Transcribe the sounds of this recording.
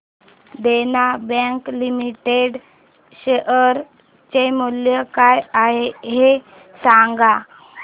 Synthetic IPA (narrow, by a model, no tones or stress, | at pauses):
d̪enabɛ̃ŋklimiʈeɽ | ɕeəɾ | t͡ɕemuljəkajaɦeɦe | saŋɡa